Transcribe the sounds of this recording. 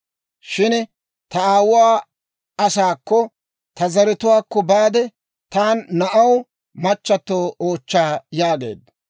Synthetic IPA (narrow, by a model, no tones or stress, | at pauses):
ʃɪn | t̪ɐaːwʊwaː | ɐsaːkːɔ | t̪ɐzɐɾɪt̪ʊwaːkːɔbaːd̪ɛ | t̪aːnːɐʔɐw | mɐt͡ʃːɐt̪ːoːoːt͡ʃːaːjaːɡḛːd̪